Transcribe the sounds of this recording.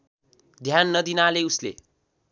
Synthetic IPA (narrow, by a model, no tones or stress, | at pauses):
d̪ʱjanːʌd̪inaleuslḛ